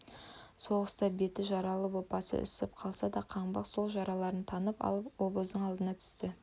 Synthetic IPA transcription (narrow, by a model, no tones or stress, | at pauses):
so̞ʁəst̪ɑbe̞t̪ɪʒɑɾɑlˠəpwo̞t̪̚pɑsə̰ʔɪ̰sɪp̚qʰɑlˠsɑd̪ɑqʰɑɴbɑqso̞lˠʒɑɾɑlˠɑɾənt̪ʰɑnəpɑ̰lˠəpwo̞bəzd̪əɴɑlˠd̪ənɑt̪ʰʏ̥st̪ɪ